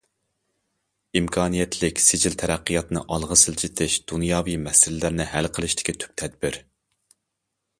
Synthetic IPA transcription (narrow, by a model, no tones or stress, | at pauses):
imkʰɑːnijɛt̪ʰlɪkʲsɪd͡ʒilt̪ʰɛɾɛqːijɑt̪nɨ̰ʔɑlˠʁəsɨlt͡ʃʰit̪ʰɪʃd̪̥unjɑːvimɛsɪlɪlæɾnɪɦælqʰəlˠɨʃt̪ʰɪ̥kʲʰit̪ʰy̥p̚t̪ʰɛd̪̚bɪɾ